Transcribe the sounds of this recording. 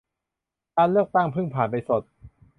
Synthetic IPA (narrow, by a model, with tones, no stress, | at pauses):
kaː˧nlːɯ˥˩ək̚t̪a˥˩ŋpʰɯ˥˩ŋpʰaː˩˦npa˧jso˨˩t̪̚